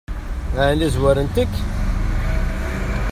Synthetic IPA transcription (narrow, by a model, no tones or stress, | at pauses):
ænlizwaɾənt̪ək